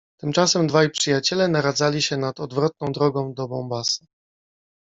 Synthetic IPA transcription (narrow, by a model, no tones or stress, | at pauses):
t̪ɘmt͡ʂasɛmd̪vajpʂɘjat͡ɕɛlɛnaɾad̪zalʲiɕɛnat̪ɔd̪vɾɔt̪̚nɔ̃w̃d̪ɾɔɡɔ̃w̃d̪ɔbɔmbasɨ̥